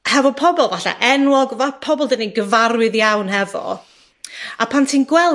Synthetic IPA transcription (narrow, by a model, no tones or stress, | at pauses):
hɛvɔpʰɔbɔlˠvaɬa̰ʔɛnwɔɡvapʰɔbɔlˠdɛniɡəvaɾwɪðjawnhɛvɔ̰ | apʰantʰiːnɡwɛl